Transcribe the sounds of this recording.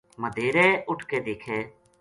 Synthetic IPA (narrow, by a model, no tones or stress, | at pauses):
məd̪ʱeːɾɛːʔʊʈʰkeːd̪eːkʰɛ̃ː